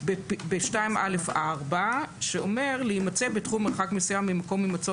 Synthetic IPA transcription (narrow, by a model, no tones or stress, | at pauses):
bepbeʃtaimʔalefaʁbaʃeome̞ʁleimat͡se̞betχumːeʁχakmesujamːimako̞mːimat͡so